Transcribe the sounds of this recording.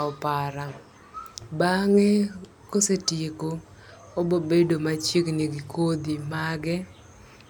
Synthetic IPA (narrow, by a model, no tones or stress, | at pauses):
ɔpaɾa | baŋe | kosetjeko | obobedomat͡ʃiknɪɡikod̪imaɡɛ